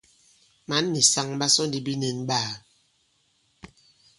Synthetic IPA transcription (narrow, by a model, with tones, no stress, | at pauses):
ma˨˦nːi˨sa˦ŋba˦sɔ˦n˦di˦bi˦ne˨nbaː˦˨